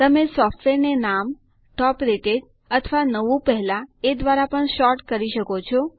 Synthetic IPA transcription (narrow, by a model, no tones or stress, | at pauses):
t̪əmesɔfʈʋeɾnenam | ʈɔpɾeʈed͡ʒ | ət̪ʰəʋanəʋũpəɦɛlaed̪ʋaɾapəɳʃɔɾʈkəɾiʃəkot͡ʃʰo